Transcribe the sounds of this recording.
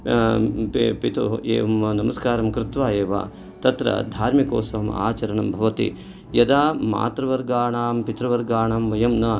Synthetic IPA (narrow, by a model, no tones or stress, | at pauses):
ppit̪uḛːʋɐmnɐmɐskaːɾɐmkɾɪt̪ʋaːeːʋa̰ː | t̪ɐt̪ɾɐ̰d̪ʱaːɾmikoːsɐʋɐma̰ːt͡ʃɐɾɐɳɐmbʱɐʋɐt̪ḭ | jɐd̪aːma̰ːt̪ɾɐʋɐɾɡaːɳaːmpit̪ɾɐʋɐɾɡaːɳaːmʋɐjɐmnɐ